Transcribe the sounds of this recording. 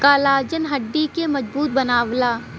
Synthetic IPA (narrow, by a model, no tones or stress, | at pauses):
kaːlaːɾd͡ʒənɦɐɖːikemɐd͡ʒbuːt̪̚bɐnaːʋlaː